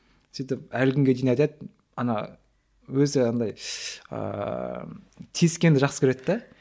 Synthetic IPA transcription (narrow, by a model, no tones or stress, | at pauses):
sijt̪ɪp̚ælkʲɪŋɡʲe̞d̪ijnɑjd̪et̪ɪ | ɑnɑ | wɵzɪɑnd̪ɑjə̰ | t̪ʰiskʲe̞nd̪ɪʒɑqsə̥kʲʰeɾe̞t̪ːd̪æ